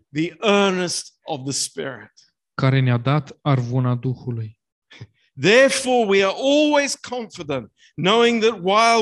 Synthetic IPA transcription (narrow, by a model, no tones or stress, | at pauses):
ðiʔɜ˞nɨstʌvðəspɪ̰ɹɪ̰t̚ | kaɾenead̪at̪arvunad̪uxuluj | ðɛɹfɔɹwiə˞ʔɔlˠwez̥kʰɑ̃ɱfɨdə̃nʔ | noʊɪ̃ŋðɨt̚waɪ